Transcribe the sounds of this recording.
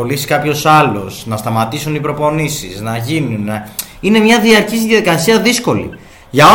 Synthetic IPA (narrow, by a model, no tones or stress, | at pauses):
olisi̥kɐpço̞sɐlo̞snɐst̪ɐmɐt̪isunipɾo̞po̞nisiznɐʝinunine̞mɲɐðiɐɾcizðjɐðikɐsiɐðisko̞lḭ | ʝɐo